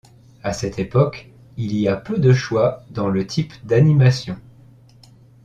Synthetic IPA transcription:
asɛt̪ʰepɔk | iliapød̪əʃwad̪ɑ̃lət̪ʰipd̪animasjɔ̃

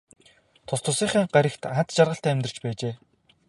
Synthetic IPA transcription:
t̪ʰʊst̪ʰʊ̆siːχiːŋɢaɾʲɪ̆kt̪ant̪t͡ɕarʁə̆ɬt̪æmʲt̪ə̆r̥̆t͡ɕpæːt͡ɕeː

